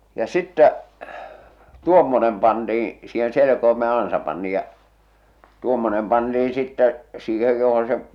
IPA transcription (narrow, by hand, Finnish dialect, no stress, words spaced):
jɑ sitːæ tuomːonem pɑntiːĩ siːhen̞ selekoime jɑ ɑnsɑ pɑntiːj̆ jɑ jɑ tuomːonem pɑntiːĩ sitːæ siːhej johon̞ se